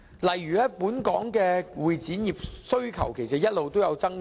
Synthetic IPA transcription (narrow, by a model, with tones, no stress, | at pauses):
lɐ˨jːyː˨˩lɛː˥puː˨˥nkɔː˨˥ŋkɛː˧wuː˨jt͡siː˨˥njiː˨p̚sɵ˥ɥkʰɐ̰˨˩wkʰe˨˩js̬ɐ˨t̚jɐ˥t̚lo˨wt̪o˥wjɐ˨˧wt͡sɐ˥ŋ